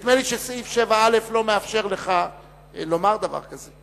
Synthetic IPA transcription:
t̪meliʃesifʃevaale̞flo̞meafʃe̞ʁle̞χa | lo̞maʁd̪ava̰ʁkaze

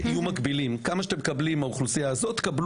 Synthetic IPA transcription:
ijumakbilimkamaʃat̪emekablimauχlusiaːzo̞t̪kabl

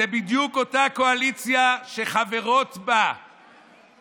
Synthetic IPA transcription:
ebidjuko̞tako̞alit͡sjaʃe̞χave̞ʁo̞t̪ba

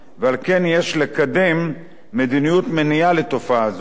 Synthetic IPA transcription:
vealkenjeʃlekad̪emː | ed̪inijut̪menijalet̪ofaaːz

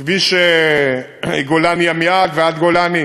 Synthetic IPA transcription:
viʃe | iɡolaniamiad̪vead̪ɡolani

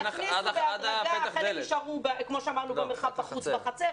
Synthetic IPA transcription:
niveaʁaɡaeekiʃaʁubekmoʃeamaʁnubemeχapaχut͡sbaχat͡se

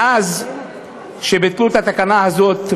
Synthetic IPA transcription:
az | ʃebit̪klut̪at̪akanahazo̞t̪

